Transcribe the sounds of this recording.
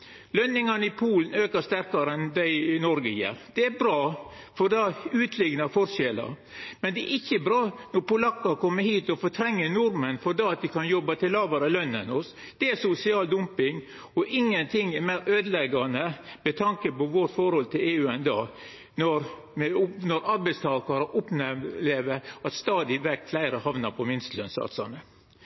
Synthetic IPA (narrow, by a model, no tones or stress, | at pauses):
lœnːɪŋɑnəɪpʰuːln̩øːkəʂt̪æɾkɑɾəɛnd̪æɪnɔɾɡəjæ̰ːɾd̪̥ɛæbɾɑːfɔɾd̪ɑʉːt̪ʰlɪɡnɑfɔɾʂɛlɑ̰ɾ | mɛnd̪ɛæɾʔɪçːəbɾɑːnɔɾpʊlɑkːɑkʰɔmːəhiːt̪ɔfɔt̪ʰɾɛŋːənʊɾmənfɔɾd̪ɑɑt̪̚d̪ɪkɑnjɔbːɑt̪ʰɪlːɑːʋɑɾəlœnːə̰nɔs | d̪̥ɛæsʊsɪɑːld̪ʊmpɪŋ | ɔʔɪŋːənt̪ʰɪŋɛmæɪɾøːd̪əlɛɡɑnəmɛt̪ʰɑŋkəpɔʋoʈfɔɾhɔlt̪ʰɪleːʉːɛnd̪ɑː | nɔɾ | mnɔɾɑɾbæɪst̪ʰɑːkɑɾəʔʊpnɛleːʋəɑt̪st̪ɑːd̪ɪʋɛkflæɪɾəhɑʋnɑɾpʰɔmɪnst̪lœnsɑ̰ːt̪sɑ̰nːə